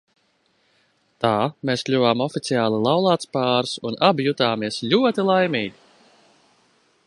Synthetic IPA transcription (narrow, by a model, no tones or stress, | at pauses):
t̪aːmeːskʎʲuvaːmɔfit̪siaːlˠilˠawlˠaːt̪spaːɾsunabjut̪aːmiɛsʎʲuɔt̪ilˠajmiːɡʲi